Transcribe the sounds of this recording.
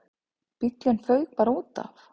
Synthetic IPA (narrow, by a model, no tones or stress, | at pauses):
pɪt̪janfœɥkpaːɾauːt̪a̰f